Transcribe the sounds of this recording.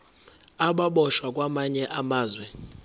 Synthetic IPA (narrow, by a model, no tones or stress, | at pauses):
aɓaɓɔʃwak̬ʼwamaɲɛʔamaːzwɛ